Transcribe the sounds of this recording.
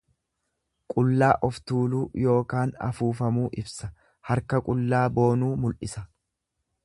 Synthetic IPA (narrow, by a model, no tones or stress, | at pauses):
kʼʊlːaːʔɔft̪uːluːjo̞ːkaːnɐ̰fuːfɐmuːʔɪbsɐ | hɐɾkɐkʼʊlːaːbo̞ːnuːmʊlʔɪsɐ